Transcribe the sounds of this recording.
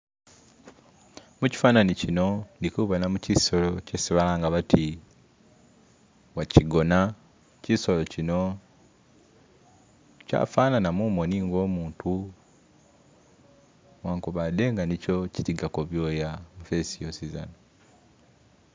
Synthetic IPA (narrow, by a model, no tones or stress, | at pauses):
muci̥faːnanicino̞ndikuβanamuciso̞lo̞cesiβalaːŋɡaβatʰi | waciɡo̞na | ciso̞lo̞cino̞ | ca̰ːfaːnanamuːmo̞niːŋɡo̞ːmuːntu | waːŋkuβade̞ŋɡanico̞citiɡakoβjo̞ːjamufesijosiza̰no